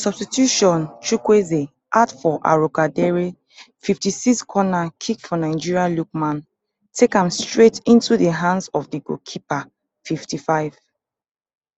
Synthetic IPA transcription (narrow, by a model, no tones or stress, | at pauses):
sɔb̥stitjuʃɔ̃nt͡ʃɹukweze | ʔadfɔʔa̰ɹokadɛɹe | fiftisikskʰɔnakʰikfɔnaɪd͡ʒiɹialuk̚mãn | tʰekãmstɹetĩntudəɦãndsɔvdiɡo̰kʰipa | fiftifaɪv̥